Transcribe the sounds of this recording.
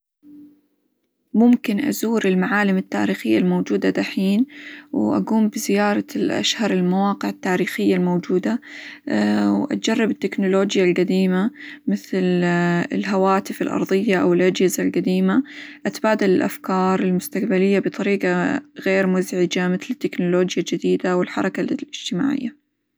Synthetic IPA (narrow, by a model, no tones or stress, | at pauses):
mʊmkɪnʔa̰zuːɾɪlmaʕaːlɪmɪt̪ːa̰ːɾiːxɪjːalmoːd͡ʒuːd̪ad̪aħiːnwʔa̰ɡuːmbɪzɪjɑːɾˤɑlʔa̰ʃhɑɾˤɪlmawɑːqɪʕɪt̪ːaːɾiːxɪjːalmoːd͡ʒuːd̪a | wʔa̰t̪̚d͡ʒɑrˤːɑbɪt̪ːɪknʊloːd͡ʒjalqad̪iːmamɪθlɪ̰lɦawaːt̪ɪfɪlʔɑ̰ɾˤðˤɨjːaʔawɪlʔad͡ʒhɪzalɡad̪iːmaʔat̪baːd̪ɪlɪlʔa̰fkɑːɾˤɪlmʊst̪aqbalɪjːabɨt̪ˤɑɾiːqɑɣeːɾmʊzʕɪd͡ʒamɪθlɪt̪ːɪknʊloːd͡ʒjad͡ʒɪd̪iːd̪awɪlħɑ̰ɾˤɑkalɪd͡ʒ̥t̪ɪma̰ːʕɪ̰jːa